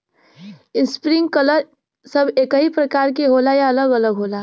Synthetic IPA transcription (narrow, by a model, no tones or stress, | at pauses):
ɪnspɾɪ̃ŋɡkələɾ | səbeːkəɦipɾɐkaːɾk̬eɦoːlajaɐləɡələɡɦoːla